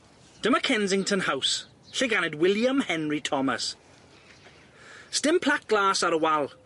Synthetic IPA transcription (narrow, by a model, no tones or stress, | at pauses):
d̥əməkʰɛ̃nzɪ̃ŋtʰə̃nhaws | ɬɪɡanɪdwɪljə̃mhɛ̃nɹitʰɔmə̰s | stɪ̃mpʰl̥ak̚ɡ̥laːsəɾəwalˠ